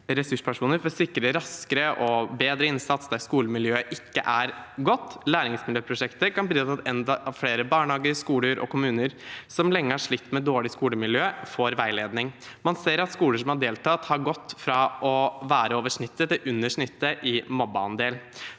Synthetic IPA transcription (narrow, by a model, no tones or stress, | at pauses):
ɾɛsʉʂpʰæʂuːnəɾfɔɾsɪkːɾəɾɑskəɾəʔɔbeːd̪ɾəɪnsɑt̪sd̪ɑɾskuːləmɪljøːəʔɪkːəʔæɾɡɔt̪ːlæːɾɪŋsmɪljøːpʰɾʊʂɛkt̪əkɑnbɾyːt̪ɑt̪ɛnd̪ɑʔɑʋfɽeːɾəbɑːɳhɑːɡəskuːləɾʔɔ̰kʊmʉːnəɾsɔmlɛŋːəhæʂɭɪt̪ːmɛd̪oːɭɪskuːləmɪljøːfoːɾʋæɪleːd̪nɪŋ | mɑnseːɾɑt̪skuːləʂɔmhɑɖeːlt̪ʰɑːt̪hɑɾɡɔt̪ːfɾɑʔɔʋæːɾəoːʋəʂɳɪt̪ːət̪ɪʔʉnːəʂɳɪt̪ːəʔɪmɔbːɑɑ̰nd̪eːl